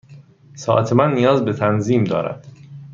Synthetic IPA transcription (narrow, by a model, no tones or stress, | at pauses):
sɒːʔæt̪ʰemænːijɒːzbet̪ʰænziːmd̪ɒːɾæ̰d̪̥